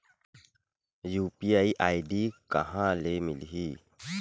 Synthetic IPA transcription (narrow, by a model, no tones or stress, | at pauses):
juːpiaiʔaiɖiːkə̰ɦãlemilɦiː